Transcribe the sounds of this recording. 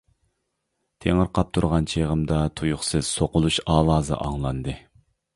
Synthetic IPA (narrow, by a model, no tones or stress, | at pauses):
t̪ʰeŋəɾqʰɑp̚t̪ʰuɾʁɑnt͡ʃʰeʁəmd̪ɑt̪ʰujuχsɨz̥soqʊlˠuʃɑːlˠɑːzɨ̰ʔɑ̰ŋlˠɑnd̪ɨ